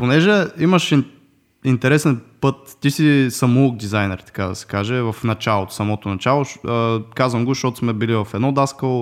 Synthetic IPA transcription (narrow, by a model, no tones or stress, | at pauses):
ponɛʒɛimɐʃi | int̪ɛɾɛsɛnpɤt̪ːisisɐmuuk̚d̪izajnɛɾt̪ɐ̥kad̪ɐsɛ̥kaʒɛvɐfnɐt͡ʃalˠot̪o̥sɐmɔt̪onɐt͡ʃalˠoʃəkazvəmɡʊʃt̪ot̪ʊ̥smɛbilivɐfɛd̪nɔd̪askəlo